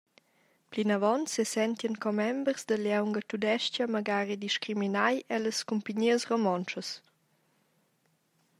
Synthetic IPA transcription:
plinavɔnsːesɛnt̪jənkɔmɛmbəɾzd̪əljawŋɡət̪ud̪ɛʃt͡ʃamaɡaːɾid̪iʃkɾiminajɛləskumpəɲiəsromɔnt͡ʃəs

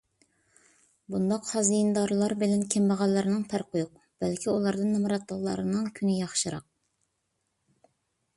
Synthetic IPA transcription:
bund̪ɑqhɑzd̪ijind̪ɑɾlˠɑɾbɨlɛnkʲʰɛmbɑʁɑlˠːɨɾɨnɨŋpʰæɾqʰojuq̚ | b̥ælkʲʰiulˠɑɾd̪ɨnːɨmɨɾɑt̪̚ːɑlˠːɑ̰ɾɨnɨŋkʲʰynɪjɑχʃɨɾɑ̰q̚

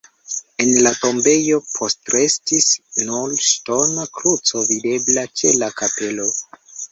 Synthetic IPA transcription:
e̞nlato̞mbe̞jo̞pʰo̞stɾe̞stisnolʃto̞nakɾut͡so̞vide̞blat͡ʃe̞lakape̞lo̞

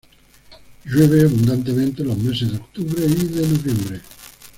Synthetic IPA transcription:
ʒeβeabund̪ant̪̬ement̪elomesed̪okt̪uβɾeiðenovɛmbɾe

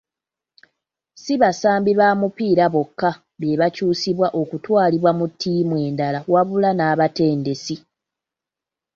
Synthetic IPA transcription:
siβasaːmbiβaːmupiːɾaβo̞kːa | βje̞βacuːsiβwaʔo̞kutwaːliβwamutʰːiːmwe̞ːndalawaβulanaːβate̞ːnde̞si

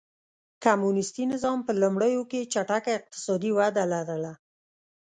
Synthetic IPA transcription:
kamunɪst̪inɪzɑmpəlumɽəjoket͡ʃaʈakaɪq̚t̪ɪ̥sɑd̪iwad̪alaɾəla

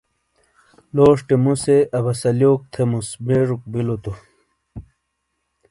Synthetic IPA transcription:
loːʂʈemuseɐbɐsɐljoːk̚t̪ʰemusbeʐuk̚bilot̪u

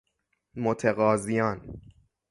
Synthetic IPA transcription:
mot̪ʰeɣɒːzijɒːn

